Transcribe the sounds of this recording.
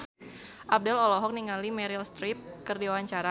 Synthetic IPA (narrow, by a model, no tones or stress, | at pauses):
ʔab̚dɛlɔlɔɦɔk̚niŋalimɛɾilst̪ɾip̚kərdiwaɲt͡ʃaɾa